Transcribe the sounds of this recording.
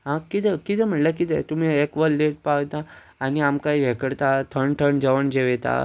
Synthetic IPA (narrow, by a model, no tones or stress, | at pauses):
ɦãkit̪ekit̪ɛm̤əʈlakit̪ʰɛ̰t̪um̤iekʋəlːeʈ̚pawt̪aː | niamkaiɦekəɽt̪at̪ʰəɳʈʰəɳd͡zəʋəɳd͡ʑeʋet̪a̰